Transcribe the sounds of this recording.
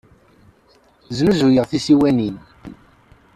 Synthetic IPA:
znuzujəʁθisiwænin

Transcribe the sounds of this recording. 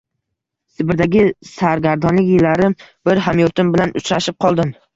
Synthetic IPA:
sɪbɪɾd̪aɡʲɪsaɾɡʲaɾd̪ɒnlɪkʲjɪlːaɾɪmb̥ɪɾɦamjoɾt̪ʰɪmbɪlanʔʊt͡ʃɾaʃɪp̚qʰɒlˠd̪ɪm

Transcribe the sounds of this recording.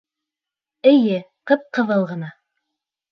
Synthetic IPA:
ɘ̆jɘ | qɤp̚qɤ̆ðɤlˠʁɤ̆nɑ

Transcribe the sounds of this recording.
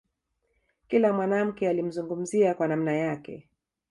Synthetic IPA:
kilamwanam̩kɛalim̩zuŋɡum̩ziakwanam̩najakɛ̰

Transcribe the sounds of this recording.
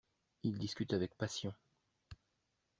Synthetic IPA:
ild̪iskʲyt̪avɛk̚pasjɔ̃

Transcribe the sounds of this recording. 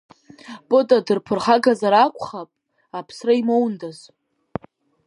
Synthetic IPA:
bʼotʼadɨrpʰɨrχaɡazaɾakʷʰʼχapʼ | apʰsraimowndaz

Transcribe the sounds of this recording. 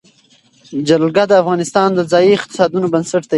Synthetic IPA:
d͡ʒallɡad̪əafɣɑnɪst̪ɑnd̪əzɑjiɪq̚t̪ɪ̥sɑd̪unobənsaʈt̪a

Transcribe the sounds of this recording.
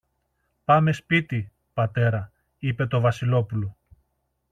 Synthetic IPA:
pɐme̞spit̪i | pɐt̪e̞ɾɐ | ipe̞t̪o̞vɐsilo̞pulo

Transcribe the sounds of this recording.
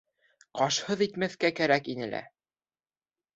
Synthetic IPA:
qɑʃhɤðit̪mæθkækæɾækinɘlæ̰

